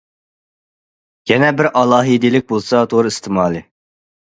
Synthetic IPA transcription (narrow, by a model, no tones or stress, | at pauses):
jɛnɛbɪɾʔɑlˠɑːɦid̪ilɪk̚ʲbolˠsɑt̪ʰoɾist̪ʰɪmɑːlˠɨ